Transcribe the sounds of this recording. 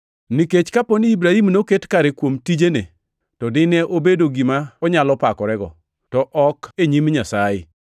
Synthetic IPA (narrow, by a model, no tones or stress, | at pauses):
niket͡ʃkaponiibɾahimnoketkaɾekwomtid͡ʒene | tɔdɪnɛʔobedoɡimaɔɲalɔpakɔɾɛɡɔ̰ | tɔʔɔkeɲimɲasajɪ̰